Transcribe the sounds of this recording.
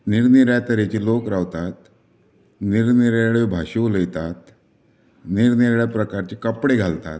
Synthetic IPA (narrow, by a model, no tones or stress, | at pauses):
niɾniɾjat̪əɾet͡ɕiːlokɾaʋt̪at̪ | niɾniɾəɭebʱaɕuləjt̪at̪ | niɾniɾɭjapɾəkaɾt͡ɕekəpɽeɡʱalt̪a̰t̪